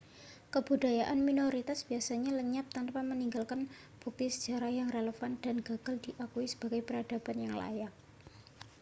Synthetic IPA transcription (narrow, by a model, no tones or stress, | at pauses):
kəb̥udajaʔanminoɾit̪asb̥iasaɲaləɲap̚t̪anpaməniŋɡalkan | b̥uk̚t̪isəd̥d͡ʒaɾahjaŋreləfand̪̥a̤nɡa̤ɡ̥aldiʔakuisə̥b̥aɡajpəɾad̥a̤b̥anjaŋla̰jak̚